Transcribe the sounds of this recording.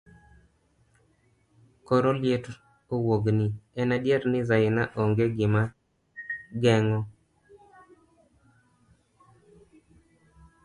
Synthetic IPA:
kɔɾoljet | owoɡnɪɛnadjeɾnɪzaɪnaʔoŋɡeɡɪma | ɡɛŋɔ

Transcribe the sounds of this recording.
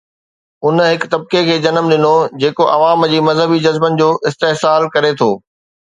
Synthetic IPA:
ʊnɦɪkt̪ɐb̚kekʰeːd͡ʑɐnəmɗ̪ɪnod͡ʑeːkoʔɐʋaːmd͡ʑiːmɐzɦəbid͡ʑɐzbənɪ̆d͡ʑoːʔɪst̪eɦsaːlkɐɾet̪ʰoː

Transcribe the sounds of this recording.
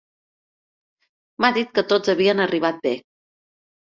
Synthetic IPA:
maðit̪̚kət̪od͡zəβiənəriβ̞at̪̚be

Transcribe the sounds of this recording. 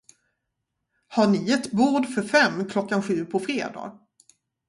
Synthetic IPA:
haɳɪɛt̪buːɖfœɾfɛmːkʰlɔkːanɧʉ̟ːpʰɔfɾeːd̪ɑ̰ːɡ

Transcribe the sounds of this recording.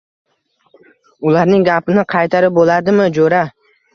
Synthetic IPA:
ʊlaɾnɪŋɡʲapɪnɪqʰɑjt̪ʰaɾɪp̚bolaɾd̪ɪmɪd͡ʒoɾa

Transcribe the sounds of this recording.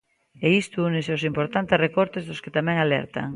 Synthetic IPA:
eist̪uunɪseows̬impoɾt̪ant̪esrekoɾt̪ezðosket̪amɛ̃ŋalɛ̰ɾt̪a̰ŋ

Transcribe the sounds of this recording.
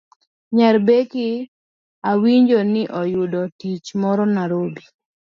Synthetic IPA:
ɲaɾbekɪ | awiɲd͡ʒonɪʔɔjʊdɔtit͡ʃmɔɾɔnaɾobi

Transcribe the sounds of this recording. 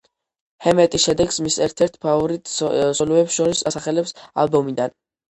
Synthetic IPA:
hɛmɛt̪ʼisʃɛd̪ɛɡsmisɛɾt̪ʰɛɾt̪ʰpʰavɔɾit̪ʼsɔlɛpsʃɔɾisasaχɛlɛpsa̰lˠbɔmid̪an

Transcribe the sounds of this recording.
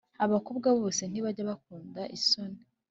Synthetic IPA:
aβakob̚ɡaβo̞ːse̞n̥iβaɾɟaβak̚uːndaʔiso̞ne

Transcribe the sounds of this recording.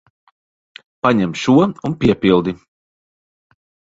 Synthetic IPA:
paɲɛmʃuɔunpʲiɛpilˠd̪i

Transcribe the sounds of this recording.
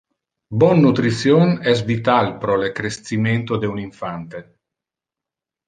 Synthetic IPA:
bɔnːut̪ɾit̪sjonɛs̬vit̪alpɾɔlekɾest̪siment̪od̪euniɱfant̪e

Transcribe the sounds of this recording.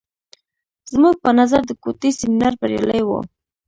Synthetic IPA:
z̥muɡ̚pənazaɾd̪əkot̪isɪminaɾbaɾja̰ləjwə̰

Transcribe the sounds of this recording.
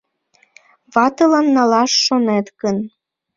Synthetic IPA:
βɑt̪ɤlɑnːɑlɑʃːonet̪ɡən

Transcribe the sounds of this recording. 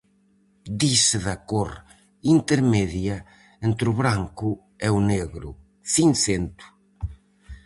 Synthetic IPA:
d̪isɪðakoɾ | int̪eɾmeðjɐ | ent̪ɾʊβɾaŋkʊ | euneɣɾʊ̰ | θiŋsent̪ʊ̥

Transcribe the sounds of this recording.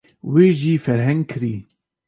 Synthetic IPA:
weːʒiːfɛɾɦɛ̃ŋɡ̚kʰɨɾiː

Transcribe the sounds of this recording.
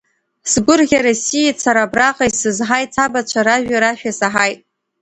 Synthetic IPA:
sɡʷʊrɡʲaɾosijat͡sʰaɾabraqʼajsɨzħajt͡sʰabat͡ʃʷʰaɾaʒᶣaɾaʃᶣasaħajtʼ

